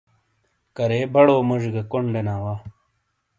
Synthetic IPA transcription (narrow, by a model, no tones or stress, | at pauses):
kɐɾeːbɐɽoːmuʐɡɐkoɳɖɐnaːwaː